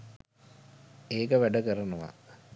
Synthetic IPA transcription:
eːkəʋæɖəkərənəʋa̰

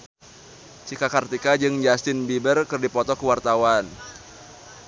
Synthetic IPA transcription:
t͡ʃikakart̪ikad͡ʒɨŋd͡ʒast̪ɪnbibərkɨrdipɔt̪ɔkəwart̪awan

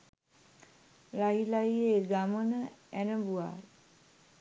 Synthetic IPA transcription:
laɦilajeɡamənəænəbua̰ɾ

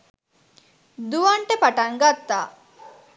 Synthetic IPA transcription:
d̪uʋaɳʈəpaʈaŋɡat̪ːaː

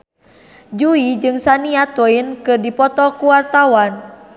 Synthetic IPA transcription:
d͡ʒuid͡ʒɨŋsaniat̪ɔinkɨrdipɔt̪ɔkuwart̪awan

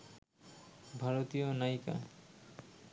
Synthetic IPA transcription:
bʱaɾot̪ijonajka̰

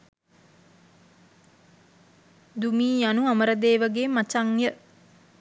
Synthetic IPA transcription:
d̪umiːjanuaməɾəd̪eːʋəɡeːmat͡ʃaŋjə

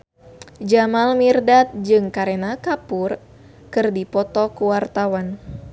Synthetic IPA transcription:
d͡ʒamalmirdat̪̚d͡ʒɨŋkaɾenakapur | kɨrdipɔt̪ɔkuwart̪awan

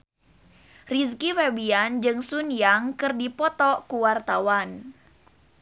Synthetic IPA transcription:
ris̬kifɛbiand͡ʒɨŋsunjaŋkɨrdipɔt̪ɔkuwart̪awan

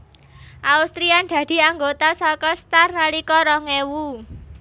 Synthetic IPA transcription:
ʔaust̪ɾiand̪̥ä̤d̪̥i̤aŋɡot̪asɔkɔst̪arnalikɔɾɔŋewu

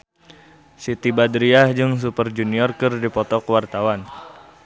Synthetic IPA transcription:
sit̪ibadɾiahd͡ʒɨŋs̬upərd͡ʒuniɔrkɨrdipɔt̪ɔkwart̪awan

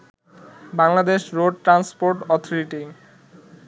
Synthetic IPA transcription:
baŋlad̪eʃɾoɖ̚ʈɾanspoɾʈɔt̪ʰoɾiʈi

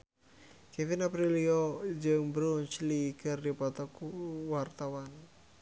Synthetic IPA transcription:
kefinapɾiliod͡ʒɨŋbɾunt͡ʃlikɨrdipat̪ɔkuwart̪awan

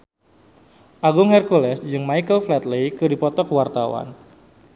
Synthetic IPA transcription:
ʔaɡʊŋhɛrkulɛsd͡ʒɨŋmajkəlflɛt̪lejkɨdipɔt̪ɔkwart̪awa̰n

